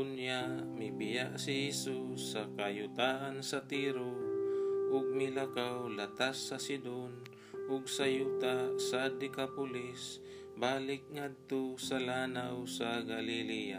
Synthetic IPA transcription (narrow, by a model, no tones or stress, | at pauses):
ʊnjamɪbɪjaʔsɪhɛsusːakajʊt̪aːʔansat̪iɾo | ʔʊɡ̚mɪlakawlat̪asːasɪd̪on | ʔʊɡ̚sajuːt̪asad̪ɪkapʊlɪs | baːlɪk̚ŋad̪̚t̪osalaːnawsaɡalɪlija̰